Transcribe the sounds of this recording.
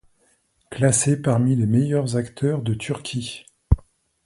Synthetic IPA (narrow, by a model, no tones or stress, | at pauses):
klasepaʁmilemejœʁzakt̪ʰœʁd̪ət̪ʰyʁkʲʰi